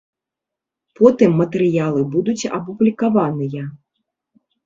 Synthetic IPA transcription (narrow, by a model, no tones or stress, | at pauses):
pʰɔt̪ɨmːɐt̪ɛɾɨjalˠɨbud̪ut͡sʲɐ̰publʲikavanɨjɐ